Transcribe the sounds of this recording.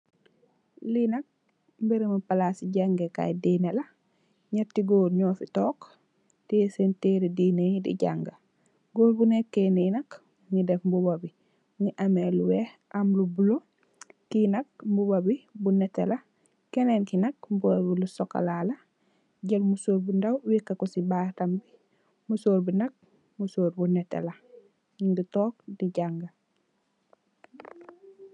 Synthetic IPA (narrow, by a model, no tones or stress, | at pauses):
linɐk̚ | mbiɾimupalasiɟaŋɡeka̰jdinɐlɐ | ɲɐtiɡoːɾɲɔːfitɔːk | tisenteːɾidiːnedḭɟa̰ŋɡɐ | ɡoːɾbunekːeninɐk | ɲidɛfmbubabi | ɲiʔɐmeluwɛ | ʔɐmlubulo | kinɐk̚mbubɐbibunɛtːelɐ | kɛnenkinɐk̚mbubabilusɔkːa̰lalɐ | ɟɐlmusoːɾbindɐwwikːɐkɔsibaːtɐmbi | musoːɾbinɐk̚ | musoːɾbunɛtːḛlɐ | ɡitɔːk̚diɟaŋɡɐ